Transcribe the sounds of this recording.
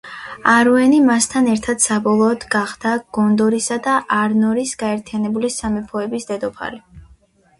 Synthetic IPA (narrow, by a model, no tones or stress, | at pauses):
aɾuɛnimast̪ʰanɛɾt̪ʰad̪̥sabɔlˠɔːd̪̥ɡaχd̪̥aɡ̥ɔnd̪ɔɾisad̪aʔaɾnɔɾisɡ̥aɛɾt̪ʰijanɛbulisamɛpʰɔɛbisd̪ɛd̪ɔpʰa̰ɾi